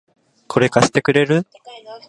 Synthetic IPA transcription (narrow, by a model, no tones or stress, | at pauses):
kʰo̞ɾe̞kaɕe̥t̪e̞kɯ̟ɾe̞ɾɯ